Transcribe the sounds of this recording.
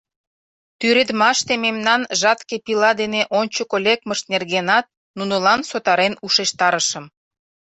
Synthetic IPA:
t̪yɾed̪mɑʃt̪ememnɑnʒɑt̪kepilɑd̪eneʔont͡ɕəkolʲekməʃt̪nerɣenɑt̪̚ | nunəlɑnsot̪ɑɾenuʃeʃt̪ɑɾəʃə̆m

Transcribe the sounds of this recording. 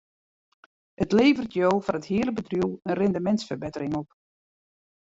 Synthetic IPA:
ətleːvərtjowfɔnəthiːələbədrjuwˠənrɛndəmɛntsfərbɪtərɪŋɔp

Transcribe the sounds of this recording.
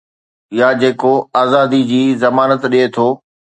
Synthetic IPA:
jad͡ʑeːkoaːzaːd̪id͡ʑiːzɐmaːnət̪ɗiet̪ʰoː

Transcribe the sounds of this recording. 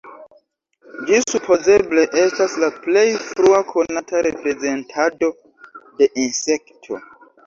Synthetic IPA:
d͡ʒisupʰo̞ze̞ble̞ʔe̞staslaple̞jfɾuakʰo̞natʰaɾepɾe̞ze̞ntʰado̞ | de̞ʔinse̞ktʰo̞̰

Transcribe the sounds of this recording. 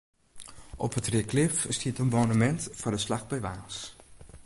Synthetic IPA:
ʔɔ̰pətrɪklɪfstʰiətənmoːnəmɛntfɔndəslaxbɛjʋaːs

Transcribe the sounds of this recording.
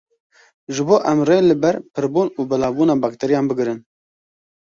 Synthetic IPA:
ʒɨboːʔɛmreːlɨbɛɾpʰɨɾbuːnuːbɨlɑːbuːnɑːbɑːk̚t̪ʰɛɾijɑːnbɨɡɾɨn

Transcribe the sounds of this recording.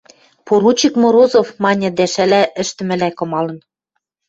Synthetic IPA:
poɾut͡ɕikmoɾozofmɑnʲɤ̆d̪æʃælæʔɘ̆ʃt̪ɘ̆mɘ̆lækŏmɑlɤ̆n

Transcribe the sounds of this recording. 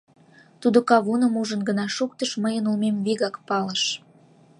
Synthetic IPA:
t̪ud̪okɑβunəmuʒənɡənɑʃuk̚t̪əʃməjənulmemβiɣɑkpɑləʃ

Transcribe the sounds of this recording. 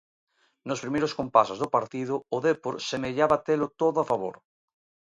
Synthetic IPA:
nospɾimeɾoskompasozðopaɾt̪ið̞ooðepoɾsemeʎaβat̪elot̪oðoafaβ̞o̰ɾ

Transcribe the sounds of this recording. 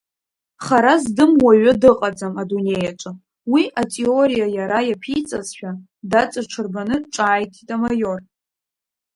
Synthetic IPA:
χaɾazdɨmwaɥɨdɨqʼad͡zamadune̞jaʈ͡ʂʷʼa | wiʔatʼeo̞ɾijajaɾajapʰijt͡sʼazʃᶣa | dat͡sʼaʈ͡ʂʷʰɨrbanɨʈ͡ʂʼaːjtʼʰitʼamajo̞r

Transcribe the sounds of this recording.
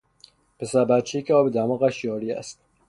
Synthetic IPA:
pʰe̞sæɾbæt̪̚t͡ʃʰejekʰeɒːbed̪æmɒːɣæʃjɒːɾiæ̰st̪̚

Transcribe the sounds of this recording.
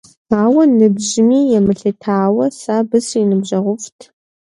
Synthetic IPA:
aːwɐnɨbʑɪmiːjɛmɨɬɨtʰaːwɐsaːbɨsinɨbʑɐʁʷʊftʰ

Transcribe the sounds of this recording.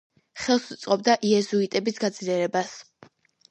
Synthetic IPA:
χɛlˠsut̪sʼqʼɔb̚d̪aʔiɛzuit̪ʼɛbisɡad̪zliɛɾɛbas

